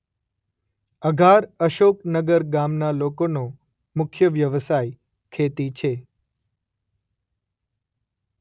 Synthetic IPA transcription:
əɡʱaɾəʃoknəɡəɾɡamnalokono | mʊkʰjəʋjəʋsaj | kʰet̪it͡ʃʰe

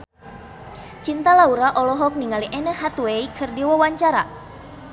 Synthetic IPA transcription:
t͡ʃint̪alauɾaʔɔlɔɦɔk̚niŋaliʔɛnəhat̪weikʰɨrdiwawaɲt͡ʃaɾa

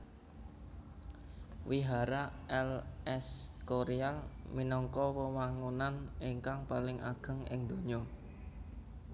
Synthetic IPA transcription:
wiɦaɾaʔɛlɛskoɾialminɔŋkɔwəwaŋunaniŋkaŋpalɪŋʔaɡ̥ə̤ŋɪ̰ŋd̪̥o̤ɲɔ

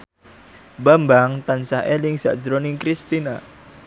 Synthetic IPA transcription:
bambaŋt̪ansaɦʔelɪŋsa̰ʔd͡ʒɾonɪŋkɾist̪ina

